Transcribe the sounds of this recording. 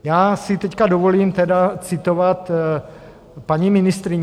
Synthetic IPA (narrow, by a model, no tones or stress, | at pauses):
jaːsɪt̪ɛckadovo̞liːmt̪ɛdat͡sɪt̪o̞vat̪ | paɲimɪnɪst̪ɾɪɲ